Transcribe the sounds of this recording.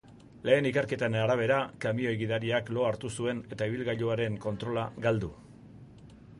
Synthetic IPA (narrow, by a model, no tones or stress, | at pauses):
le̞ːnikeɾke̞t̪aenaɾaβ̞e̞ɾakamio̞jɣiðaɾiaklo̞aɾt̪usue̞ne̞t̪aiβ̞ilɣaʎoaɾe̞ŋko̞nt̪ɾo̞laɡald̪u